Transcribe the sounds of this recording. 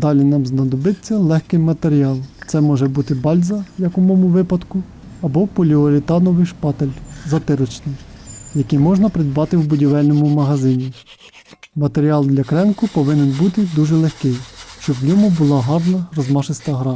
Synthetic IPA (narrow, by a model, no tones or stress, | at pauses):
d̪ɑlʲinɑmznɐd̪ɔbɪt͡sʲːɐlˠɛxkɪmːɐt̪eɾʲiɑlˠmt̪sɛmɔʒɛbut̪ɪbɑlʲzɐjɐkʊmɔmʊʋɪpɐd̪kʊ | ɐbɔpɔlʲiɔɾʲɪt̪ɑnɔʋɪjʃpɑt̪elʲzɐt̪ɪɾɔt͡ʃnɪjjɐkɪjmɔʒnɐpɾɪd̪bɑt̪ɪwbʊdʲiʋɛlʲnɔmʊmɐɦɐzɪnʲi | mɐt̪eɾʲiɑlˠd̪lʲɐkɾɛnkʊpɔʋɪnenbut̪ɪd̪uʒɛlˠexkɪjʃt͡ʃɔnʲɔmʊbʊlˠɑɦɑrnɐrɔzmɑʃɪst̪ɐɦɾɑ